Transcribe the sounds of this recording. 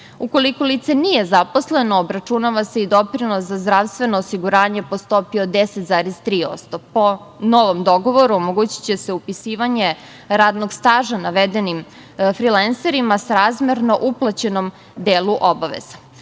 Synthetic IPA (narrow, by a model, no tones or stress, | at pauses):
uko̞likolit̪se̞nije̞zapo̞sle̞noːbɾat͡ʃunaʋase̞id̪o̞pɾinoszazd̪ɾaʋst̪ʋe̞noːsiɡuɾaːɲe̞po̞st̪opiod̪eset̪zaːɾezt̪ɾiːo̞̰t̪st̪o̞po | noʋomd̪o̞ɡo̞ʋo̞ɾuomoɡuːt͡ɕi̥t͡ɕeseupisiːʋaɲe̞ | ɾaːd̪noɡst̪aːʒanaʋed̪e̞nim | fɾilanseɾimasaɾaːzmeɾnoʔuplˠat͡ɕe̞no̞m | d̪eːluʔobaʋḛz̥ḁ